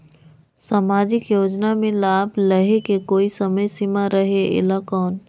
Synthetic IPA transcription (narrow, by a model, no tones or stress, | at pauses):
saːmaːd͡ʒɪkjoːd͡ʒnamẽlaːbʱləɦekekoːisəməjsɪmaɾəɦeɪ̰lakɔːn